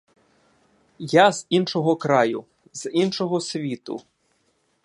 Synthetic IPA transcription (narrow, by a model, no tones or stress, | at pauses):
jaz̥inʃɔɦɔkɾɑjʊ | z̥inʃɔɦɔsʲʋʲit̪ʊ̰